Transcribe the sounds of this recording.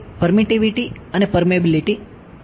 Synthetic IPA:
pəɾmiʈiʋiʈiənepəɾmiebiliʈi

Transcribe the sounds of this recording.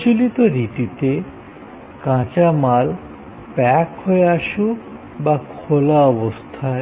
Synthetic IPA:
t͡ɕulit̪oɾit̪it̪e | kãt͡ɕamal | pɛkɦoeaʃu | bakʰolaɔbost̪ʰae

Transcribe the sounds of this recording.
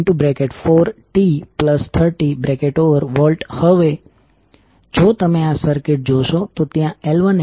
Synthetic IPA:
ʈubɾekeʈfoɾʈipləst̪ʰəɾʈibɾekeʈoʋəɾʋɔlʈhəʋe | d͡ʒot̪əmeasəɾkeʈ̚d͡ʒoʃot̪ot̪jãɛlʋən

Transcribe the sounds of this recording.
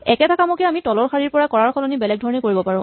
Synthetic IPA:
ɛkɛtʰakamokɛamitɔlɔɹxʰaɹiɹpɔɹakɔɹaɹkʰɔlɔnibɛlɛɡdʱɔɹɔnikoɹibɔpaɹʊ̃

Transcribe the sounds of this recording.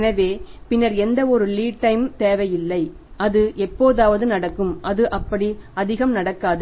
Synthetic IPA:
nɐʋeːpɪnːɐɾɛnd̪ɐɔɾɯliːʈʈːɐɪmt̪eːʋɐjɪlːɐɪ | ɐðɯʔɛpːoːðaːʋɐðɯnɐɽɐkːɯmʔɐðɯʔɐpːɐɽiɐðɪɣɐmnɐɽɐkːaːðɯ

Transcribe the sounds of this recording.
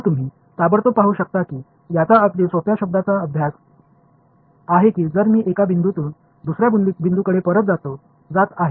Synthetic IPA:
t̪um̤iː | sabəɽɾt̪opaɦuːɕək̚t̪akiː | jat͡saətlisopjaɕəb̚d̪at͡saəbʱjas | aɦekiːd͡zəɾmiːʔekabʱind̪ut̪uːn | d̪usɾjab̪bʱind̪ukəɽepəɾət̪̚d͡zat̪o | d͡zat̪aɦe

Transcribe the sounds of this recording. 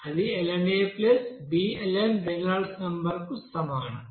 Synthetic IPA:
ɐd̪ielɐneːplesbiːelenbenalsnɐmbɐɾkustɐmaːɳɐm

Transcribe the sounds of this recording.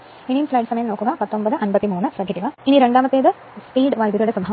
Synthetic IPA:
inimslɐjɖsɐmɐjɐmno̞ːkːuɡɐpɐt̪ːo̞mbɐd̪ɨʔɐnbɐt̪ːimuːɳɨsɾɐbʱid̪iʋɐiniɾeɳɖaːmɐt̪ːeːd̪ɨ | spiːɖʋɐjd̪jɐɾjuɽesɐmbɦɐ

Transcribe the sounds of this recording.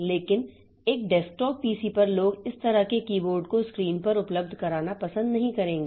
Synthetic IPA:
leːkɪn | eːk̚ɖɛːsʈɔːk̚piːsipɐɾloːɡɪst̪ɐɾəkekiːboːɾɖkoskɾiːnpɐɾʊpləb̚d̪ʱkɐɾaːnapɐsə̃nd̪nɐɦĩkɐɾẽːŋɡeː

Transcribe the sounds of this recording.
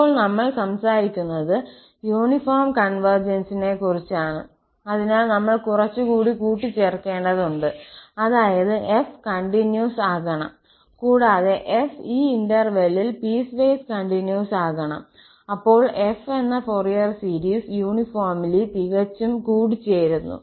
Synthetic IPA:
ɐpoːɭnɐmːɐɭsɐmsaːɾikʲːunːɐðɨ | juːɳifoːrmkɐɳʋɐrd͡ʑɐnsine̞kurit͡ɕːaːɳɨ | ɐðinaːlnɐmːɐɭkurɐt͡ɕːukuːɽikuːʈːit͡ɕːerkːe̞ːɳɖɐðuɳɖɨɐðaːjɐðɨʔefkɐɳɖinjuːsaːɣɐɳɐ̰m | kuːɽaːðe̞ʔefiːindɐrʋelilpiːsʋeːskɐɳɖinjuːsaːɣɐɳɐ̰m | ɐpːo̞ːɭʔe̞fe̞nːɐforijɐrsiɾiːsjuːɳifoːrmilit̪iɣɐt͡ɕːumkuːɽit͡ɕːejɾunːṵ

